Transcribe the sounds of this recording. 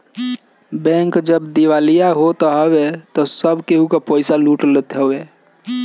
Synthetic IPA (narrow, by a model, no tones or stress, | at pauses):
bɛ̃ŋkd͡ʒəbd̪iwalijaɦot̪ɔɦəwet̪ɔsəbʱkeɦukapɔɪsaluːʈlət̪ɦəwe